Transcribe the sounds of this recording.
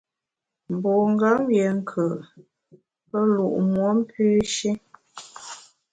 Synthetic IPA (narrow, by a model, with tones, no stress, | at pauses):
m̩˨bo˨ŋ̩˦ɡa˦mje˨ŋ̩˦kʰə˨ | pə˦lu˨ʔmwo˨˦m̩˦pʰʉː˦ʃi˦